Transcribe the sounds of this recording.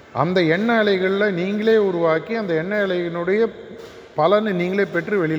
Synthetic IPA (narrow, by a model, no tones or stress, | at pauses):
ʔɐ̰nd̪ɐɛɳːaːlɐɪɣɐɭɪlɐniːŋɡɐɭeːʊɾʊʋaːkːiɐnd̪ɐɛɳːaːɭɐɪɣɐɭɯɽɐjɐ | pɐlɐnɯniːŋɡɐɭeːpɛʈrɯʋɛɭɪl